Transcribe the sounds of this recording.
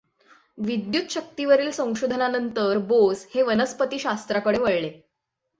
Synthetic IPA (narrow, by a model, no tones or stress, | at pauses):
ʋid̪jut̪ɕək̚t̪iʋəɾiːlsə̃w̃ɕod̪ʱənanənt̪əɾbosheʋənəspət̪iːɕast̪ɾakəɽeʋəɭle